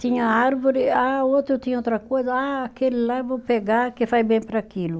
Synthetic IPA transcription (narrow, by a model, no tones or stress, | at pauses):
t̪ĩɲɐaɾvoɾɪaot̪ɾʊt̪ĩɲɐot̪ɾɐkojzɐaːkelilavopeɡakefajbẽj̃pɾakilu